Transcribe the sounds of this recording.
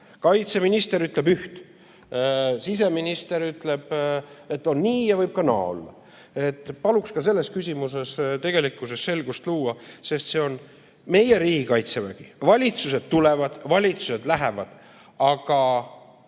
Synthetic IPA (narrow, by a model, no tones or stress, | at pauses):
kɑjt̪se̞minist̪e̞ɾyt̪ˑle̞byht̪ | sis̬e̞minist̪e̞ɾyt̪ˑle̞b̥e̞t̪ːo̞nniːjɑvɤjb̥̚kɑnɑ̰ːo̰lːɑ̰ | e̞t̪ːpɑlukskɑse̞lːe̞skysʲimuse̞st̪e̞ɡ̥e̞likːˑusesse̞lɡ̥ust̪luːɑse̞st̪se̞o̞n | me̞je̞ɾiːɡ̥ikɑjt̪sevæ̰ɡ̥ivɑlʲit̪suse̞d̪̥̚t̪ule̞vɑd̪̥vɑlʲit̪suse̞d̪læɦevɑd̪̥ | ɑɡ̥ɑ